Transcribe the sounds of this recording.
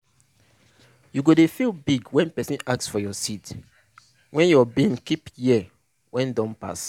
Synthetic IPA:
juɡodefilbiɡwɛ̃npɛsĩnaksfɔjɔsit | wɛ̃njɔbĩnkipjiɛ | wɛ̃ndɔ̃npa̰s

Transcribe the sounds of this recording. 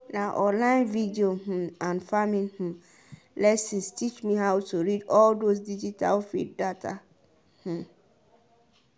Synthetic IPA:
naʔɔ̃nlãɪ̃nvidioɦũãnfamĩnhũ | lɛsĩnstʰit͡ʃmĩɦawtuɹidɔldos̬did͡ʒitʰa̰lfḭddatʰa̰ | hũ

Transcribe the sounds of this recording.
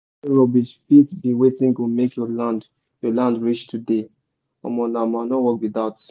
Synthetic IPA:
ɹobiʃfitbĩwetĩŋɡumekjɔlãnd | jɔlãndɹit͡ʃtʰude | ɔ̰mɔ̃namanowɔkwid̪at

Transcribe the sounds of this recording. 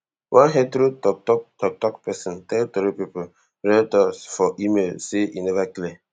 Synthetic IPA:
wʔãnɦɛ̃tɾutɔk̚tɔk̚tɔk̚tɔkpɛsɔ̃ntɛltɔɾupipo | ɹɛltɔsfɔʔimelseʔinɛvakle

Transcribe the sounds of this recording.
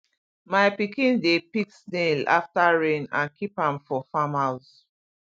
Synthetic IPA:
maɪpikĩndepiksnela̰ftaɹẽnã̰nkipãmfɔfãmaʊz

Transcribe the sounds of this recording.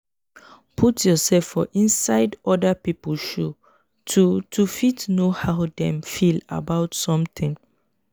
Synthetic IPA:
pʰutʰjɔsɛlfːɔʔĩnsaɪdɔdəpipəlʃu | tʰutʰufitnohaʊdɛ̃mfila̰baʊtsɔ̃mt̪ĩŋ

